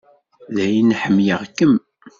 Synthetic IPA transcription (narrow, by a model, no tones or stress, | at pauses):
ðæjinħəmːjəʁkːəm